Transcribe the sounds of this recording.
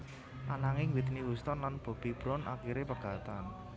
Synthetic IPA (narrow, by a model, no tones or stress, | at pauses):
ʔanaŋɪŋwit̪niwust̪ɔnlanb̥o̤b̥ib̥ɾʊnʔa̰kiɾepəɡ̥a̤t̪an